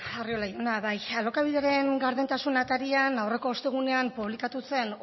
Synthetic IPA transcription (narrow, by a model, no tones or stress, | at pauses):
ario̞laionaβajalo̞kaβ̞iðeɾe̞ŋɡaɾðent̪asunat̪aɾianawre̞ko̞ːst̪e̞ɣ̞une̞ampuβ̞likat̪use̞n